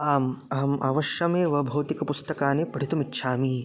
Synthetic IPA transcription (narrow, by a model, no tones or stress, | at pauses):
aːmɐɦɐmʔa̰ːʋɐʃjɐmeːʋɐbʱɐːt̪ikɐpust̪ɐkaːnepɐɽʱit̪umitːʃʰaːmi